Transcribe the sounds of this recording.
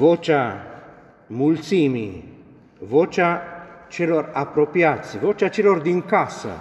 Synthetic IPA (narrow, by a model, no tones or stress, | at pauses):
vot͡ʃa | mult̪simi | vot͡ʃat͡ʃeloɾapːɾɔpjat̪sivot͡ʃat͡ʃelord̪iŋkasa̰